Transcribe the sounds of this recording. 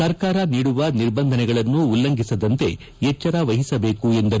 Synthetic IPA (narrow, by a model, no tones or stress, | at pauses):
sɐɾkaːɾɐniːɽuʋɐniɾbɐnd̪ʱɐnɛɡɐɭɐnːuːlːɐŋɡʱisɐd̪ɐnt̪e̞̰ | ɛt͡ʃːɐɾaːʋɐɦisɐbe̞ːkue̞nd̪ɐɾ